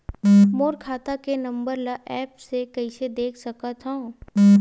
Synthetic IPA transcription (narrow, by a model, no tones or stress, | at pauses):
moːɾkʰaːt̪akenɐ̃mbəɾlaʔɛːpsekɐɪsed̪eːkʰsɐkat̪ʰã